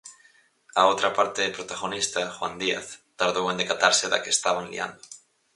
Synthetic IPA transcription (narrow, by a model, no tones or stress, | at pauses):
aot̪ɾapaɾt̪epɾot̪aɣonist̪axwand̪iaθt̪aɾðowend̪ekat̪aɾseða̰keːst̪aβanlḭa̰nd̪o